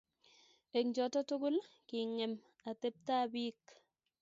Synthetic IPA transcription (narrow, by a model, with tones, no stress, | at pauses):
e˨ŋd͡ʒɔ˨tɔ˦tʊ˦ɡʊ˦lkɪ˨ŋɛ˨m | a˨t̪e˦p̚t̪a˦bi˦k